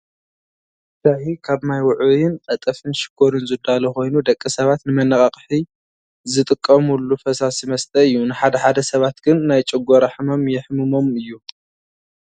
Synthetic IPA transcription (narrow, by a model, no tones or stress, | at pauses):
d̪aħikʰaβmajwʊʕujɪnqʼɐt̪ʼɐfɨnʃɪ̥ɡ̥oɾɨnzɨd̪aloko̞jnud̪ɐkʼːisɐβat̪nɨmɐnɐkʼɐqʼħi | zɨt̪ʼɨkʼːɐmulːufɐsasimɐst̪ʼɐɨjːunɨħad̪ɐħad̪ɐsɐβat̪ɡ̥ɨnːajt͡ʃʼɪɡoɾaħɨmomjɛħmɨmo̞mɨjːu